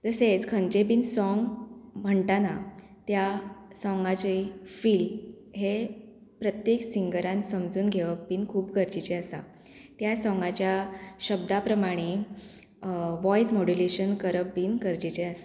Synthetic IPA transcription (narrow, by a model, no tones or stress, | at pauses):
d͡zəsed͡zkʰənd͡ʑep̬iːnsɔŋɡm̤əɳʈana | t̪jasɔŋɡat͡ɕefiːl | ɦe | pɾət̪jeksiŋɡəɾãnsəmd͡zuːnɡʱeʋəbiːnkʰuːpkəɾd͡ʑit͡ɕeəsa̰ | t̪jasɔ̃ŋɡat͡ɕjaɕəb̚d̪apɾəmaɽ̃e | ʋɔjsmoɽuleɕənkəɾəpːiːnkəɾd͡ʑit͡ɕeəs